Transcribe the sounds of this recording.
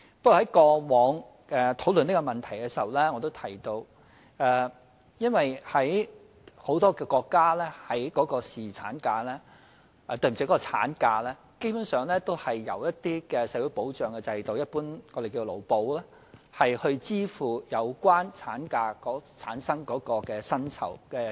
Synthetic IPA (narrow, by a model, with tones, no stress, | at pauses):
pɐ˥kɔː˨˩hɐ˨˦jkɔː˧wɔː˨˧ŋ | ʔɛ˨˧t̪ʰo˨˥wlɵ˨ni˥kɔ˧mɐ˨˩nt̪ʰɐ˨˩jkɛ˧si˨ɐ˨wlɛː˥ŋɔː˨˧t̪o˥wt̪ʰɐ˨˩jt̪o˧w | ɛː˨˧ | jɐ˥nwɐ˨jhɐ˨˥j | ho˨˥wt̪ɔː˥kɛː˧kɔː˧kːaː˥lɛː˥hɐ˨˥jkɔː˨˥kɔː˧siː˨t͡sʰa̰ː˨˥nkaː˧lɛ˥ | ɛ˧t̪ɵ˧˩m̩˨˩i˧˥kɔ˥kɔ˧t͡sʰa̰ː˨˥nkaː˧lɛː˥ | ke˥jpuː˨˥nsœː˨ŋlɛː˥t̪o˥whɐ˨jːɐ̰˨˩wjɐ˥t̚t̪iː˥kɛː˧sɐ˨˥wu˨˥po˨˥wt͡ʃœː˨ŋkɛ˧t͡sɐ˧jt̪o˨wjɐ˥t̚puː˥nŋɔ˨˧de˨jkiː˧lo̰˨˩wpo˨˥wlɛː˥ | hɐ˨jhɵ˧t͡siː˥fuː˨˩jɐ˨˧wkʷwaː˥nt͡sʰaː˨˥nkaː˧kɔː˨˥t͡sʰaː˨˥nsɐ˥ŋkɔː˨˥kɔː˧kɛː˧sɐ˥nt͡sʰɐ̰˨˩wkɛː˧